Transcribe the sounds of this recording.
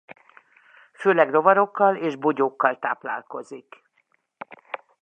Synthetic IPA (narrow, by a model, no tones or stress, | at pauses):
føːlɛɡro̞vɒɾo̞kːɒleːʒboɟoːkːɒlt̪a̰ːpla̰ːlko̞zik